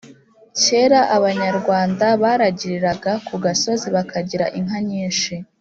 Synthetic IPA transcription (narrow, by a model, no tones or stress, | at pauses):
ce̞ːɾaʔaβaɲaɾɡwaːndaβaːɾaɟiɾiɾaɡakuɡaso̞ziβakaɟiɾaʔiŋ̥ɦaɲiːnʃi